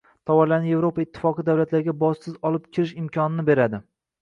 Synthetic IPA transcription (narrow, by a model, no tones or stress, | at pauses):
t̪ʰɒwɒɾlanɪje̞vɾo̞paɪt̪ʰːɪ̥fɒqɨd̪awlat̪laɾɪɡʲabɒssɪzɒlˠɪp̚kʲʰɪɾɪʃɪmkʲʰɒnɪnɪbe̞ɾad̪ɪ